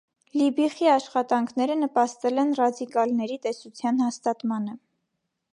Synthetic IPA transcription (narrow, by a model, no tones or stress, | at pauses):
libiχiɑʃχɑt̪ɑŋkʰn̪ɛɾənəpɑst̪ɛlɛnrɑd̪ikɑlnɛɾit̪ɛsut͡sʰjɑnhɑst̪ɑt̪mɑnə